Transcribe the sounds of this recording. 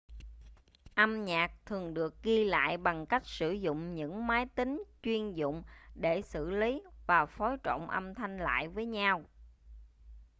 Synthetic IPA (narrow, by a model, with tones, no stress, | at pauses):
ʔə˧mɲaː˨˩k̚t̪ʰɨ˨˩əŋɗɨ˨˩ək̚ɣi˧la̰ː˧˨jɓa˨˩ŋka˦˥jk̟̚sɨ˧˩zʊ̰˧˨ŋ͡mɲɨ̰˧˥ŋmaː˨˦jt̪ï˨˦ŋ̟t͡ɕwi˧ənzʊ̰˧˨ŋ͡mɗe˧˩sɨ̰˧˨li˨˦vaː˨˩fɔ˨˦jt͡ɕɔ̰˧˨wŋ͡mʔə˧mt̪ʰa˧jŋ̟la̰ː˧˨jvəː˨˦jɲa˧w